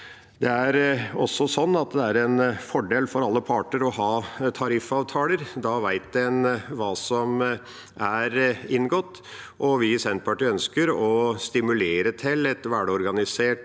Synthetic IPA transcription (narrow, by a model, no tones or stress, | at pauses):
d̪ɛæɾɔsːɔsɔnːɑt̪d̪ɛæɾɛnfɔɖeːlfɔɾɑlːəpʰɑːʈəɾɔɦɑːt̪ʰɑɾɪfːɑːʋt̪ʰɑːləɾd̪ɑʋæɪt̪̚d̪ɛnʋɑːsɔm | ʔæɾɪnɡɔt̪ː | ʔɔʋɪsɛnt̪̚pʰɑʈiːœnskəɾɔst̪ɪmʉleːɾət̪ʰɪlɛt̪ʋæɖəɔɾɡɑnɪseːʈ